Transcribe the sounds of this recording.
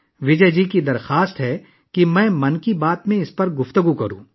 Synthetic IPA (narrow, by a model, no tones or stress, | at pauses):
ʋɪd͡ʒəɦd͡ʒikid̪ɐɾxaːst̪ɦɛː | kimɛ̃ːmɐnkibaːt̪mẽɪspɐɾɡʊft̪əɡukɐɾṵ̃ː